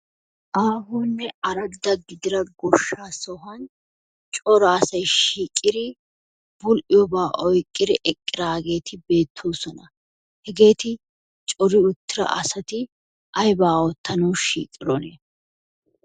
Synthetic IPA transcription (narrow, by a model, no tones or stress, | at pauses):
ʔaːɦuːnːɛɐɾɐd̪ɐɡɪd̪ɪɾɐɡɔʃːaːsɔɦɐn | t͡ʃʼɔɾaːsɐjʃiːkʼːɪd̪ɪ | b̥ʊlʔɪjɔbaːʔɔjkʼːɪd̪ɪʔɛkʼːɪɾaːɡe̞ːt̪ʰɪbe̞ːt̪ʰːoːsɔnɐ | hɛɡe̞ːt̪ɪ | t͡ʃʼɔɾɪʊt̪ːɪɾɐ̰ʔɐsɐt̪ɪ | ʔɐjbaːɔt̪ʰːɐnɐwʃḭːkʼːɪɾɔnɛ